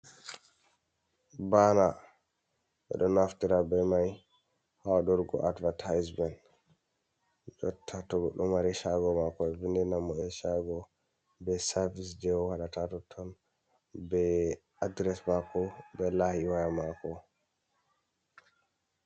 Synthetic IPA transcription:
bana | ɓɛ̰ɗɔnaftiɾabɛmaj | hawaɗɔɾɡɔ̰ʔadvatʰajsmɛn | d͡ʒɔtʰːatɔɡɔɗɔmaɾɛʃaɡɔmakɔɛvindɛnamːɔɛʃaɡɔ | bɛsaɾvisd͡ʒɛwɔwaɗatatɔtʰːɔn | bɛ | adɾɛsmakɔbɛlahiwajamakɔ

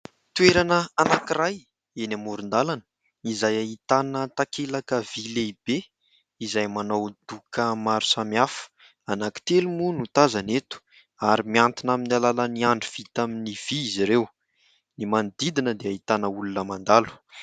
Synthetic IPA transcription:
t̪uweɾanəanakiraj | enamuɾund̪alanə̥ | izajaɦit̪anət̪akelakəvileib̥e | izajmanowd̪̥ukʰəmaɾu̥samiafə̥ | anaki̥t̪elumunut̪azanet̪u̥ | aɾimiant̪inaminalaləniaɳɖ͡ʐiv̥it̪aminiv̥iiziɾew | nimand̪id̪inəd̪eaɦit̪anəulunəmand̪alu̥

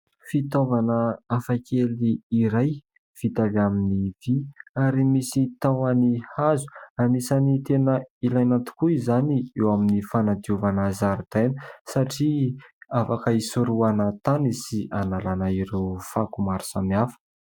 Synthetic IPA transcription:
fit̪ovanəafakʰeliːɾaj | v̥it̪avaminiv̥iaɾimisit̪awanihazu̥amisanit̪enəilajnant̪u̥kuizaniewaminifanad̪iuvanazaɾud̪̥ajnəsaʈ͡ʂiafakəisuɾuanat̪anisiʔanalanaiɾewfakumaɾu̥samiafə̥

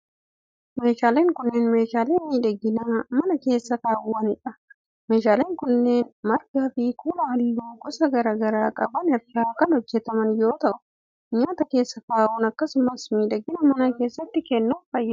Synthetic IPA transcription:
me̞ːʃaːleːŋkʊnːeːnme̞ːʃaːleːmiːd̪ɐɡːɪnamɐnɐke̞ːsːɐkaːʔʊːɐnɪᶑɐ | me̞ːʃaːleːŋkʊnːeːnmɐɾɡaːfɪkuːlɐɐliːɡuːɡʼʊsɐɡɐɾɐːɡɐɾaːkʼɐbɐnɛɾɾaːkɐnhɔd͡ʒːɛt̪ɐmɐnjo̞ːt̪ɐʔʊ | ɲaːt̪ɐke̞ːsːɐkaːwʊnɐkːɐsʊmɐsmiːd̪ɐɡːɪnɐmɐnɐke̞ːsːɐt̪ːɪkɛnːufɐjːɐ

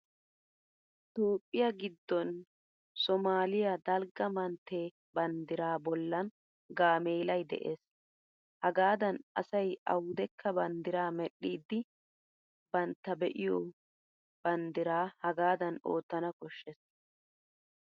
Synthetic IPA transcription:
ɪt̪o̞ːpʼːɪjɐɡɪd̪ːɔn | sɔmaːlɪjad̪ɐlɡɐmɐnt̪ːe̞ː | bɐnd̪ɪɾaːbɔlːɐn | ɡaːmeːlɐjd̪ɛ̰ʔeːs | hɐɡaːd̪ɐnʔɐ̰sɐjɐ̰wʊd̪ɛkːɐbɐnd̪ɪɾaːmɛɗːiːd̪ːɪ | bɐnt̪ːɐbɛ̰ʔɪjɔ | b̥ɐnd̪ɪɾaːhɐɡaːd̪ɐnoːt̪ːɐnɐkɔʃːɛs

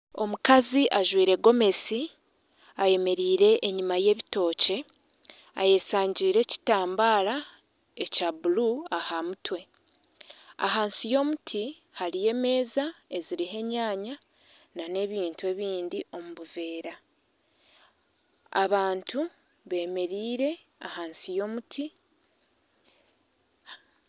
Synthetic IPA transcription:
o̞mukaziʔaʒwiːɾe̞ɡo̞me̞si | aje̞me̞ɾiːɾe̞ʔːɲimaje̞ːβito̞ːce̞ | a̰je̞saːɲɟiːɾe̞ci̥taːmbaːɾa | e̞cabuluahamutwe̞ | a̰ɦaːnsijo̞mutʰi | haɾije̞ːme̞ːzae̞ziɾiɦe̞ɲaːɲa | nane̞βiːntue̞βiːndiʔo̞muβuve̞ːɾa | a̰βaːntu | βe̞ːme̞ɾiːɾe̞ | ahaːnsijo̞ːmutʰi

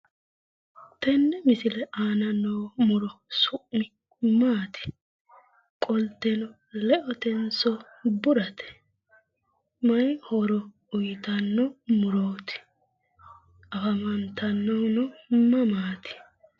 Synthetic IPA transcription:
t̪ɛnːɛmɪsɪlɛʔaːnɐnːowmʊɾɔsʊʔmɪ | maːt̪ɪ̥ | kʼɔlt̪ːɛnɔ | lɛʔɔt̪ɛnsɔ | bʊɾɐt̪ɛ̥ | mɐjhɔɾɔ | ʊjt̪ɐnːɔmʊɾoːt̪ɪ̥ | ʔɐfɐmɐnt̪ɐnːɔnɔmɐmaːt̪ɪ̥

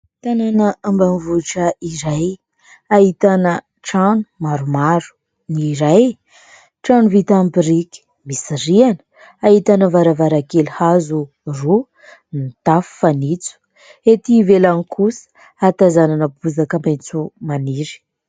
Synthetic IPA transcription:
t̪ananəambanvuʈ͡ʂəiɾaj | aɦit̪anə | ʈ͡ʂanu̥maɾumaɾu̥ | niɾaj | ʈ͡ʂanuvit̪ampiɾikʲi̥ | misiɾianə̥ | aɦit̪anəvaɾavaɾakelhazu | ru | nit̪afu̥fanit͡su̥ | et̪ivelanikusə̥ | at̪azananəpuzakəment͡sumaniɾi̥

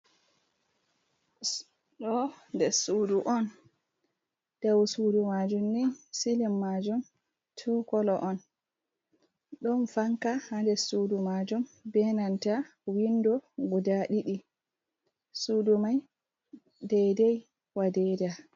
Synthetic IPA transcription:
ɗɔndɛsuːduʔɔn | d̥awsudumad͡ʒumnisilimːad͡ʒum | tʰukɔlɔʔɔn | ɗɔnfaŋkahandɛsudumad͡ʒumbɛnanta | windɔɡudaɗiɗi | sudumaj | dɛjdɛj | wadɛda

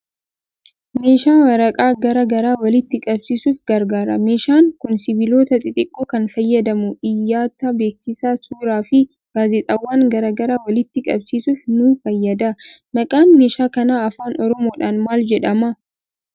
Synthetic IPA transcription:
me̞ːʃaːwɐɾɐkʼaːɡɐɾɐɡɐɾaːwɐlɪt̪ːɪkʼɐbsiːsuːfɡɐɾɡaːɾɐ̰me̞ːʃaːŋkʊnsɪbɪlo̞ːt̪ɐt̪ʼɪt̪ʼɪkʼːuːkɐnfɐjːɐd̪ɐmʊᶑɪjːaːt̪ɐbe̞ːksɪsaːsuːɾaːfɪ | ɡ̥aːzɛt̪ʼɐwːaːŋɡɐɾɐɡɐɾaːwɐlɪt̪ːɪkʼɐbsiːsuːfnufɐjːɐd̪ɐmɐkʼaːnme̞ːʃaːkɐnaːɐfaːnʔɔɾɔmo̞ːᶑaːnmaːld͡ʒɛᶑɐmɐ

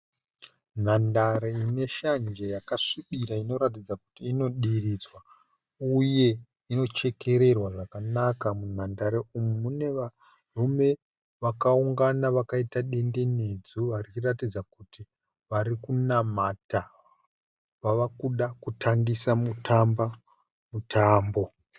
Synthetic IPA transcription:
n̤andaɾeine̞ʃand͡ʒejakaʂiɓiɾaino̞ɾatid͡zaku̥tiːno̞ɗirid͡zwa | uje̞ | ino̞t͡ʃe̞ke̞ɾe̞rwaʐakanakamun̤andaɾeumumune̞ʋa | rume̞ | ʋakauŋɡanaʋakaitaɗe̞nde̞ned͡zuʋariratid͡zakuti | ʋaɾikunamata | ʋaʋakuɗakutʰaŋɡisamutʰamba | mutʰaːmbo̞

